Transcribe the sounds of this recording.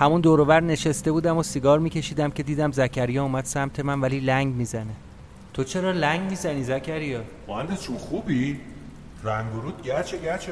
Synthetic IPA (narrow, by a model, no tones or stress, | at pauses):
hæmund̪oːɾovæɾne̞ʃest̪e̞buːd̪æmosiɡɒːɾmiːcʰe̞ʃiːd̪æmcʰed̪iːd̪æmzæcʰæɾijɒuːmæd̪̥sæmt̪ʰe̞mænvæliːlæŋɡmiːzæne̞ | t̪ʰot͡ʃʰe̞ɾɒːlæŋɡmiːzæniːzæcʰæɾijɒːmoænd̪et͡ʃʰunxubi | ɾæŋɡoɾuːd̪̚ɟæt͡ʃʰeɡæt͡ʃʰe